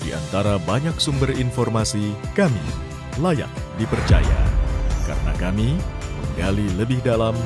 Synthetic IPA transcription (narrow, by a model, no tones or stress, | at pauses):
dḭʔa̰nt̪aɾabaɲaksumbərinfɔrmasikamḭ | laja̰t̚dipərt͡ʃa̰ja̰ka̰ɾəna̰kamiməŋɡaliləbɪhdalam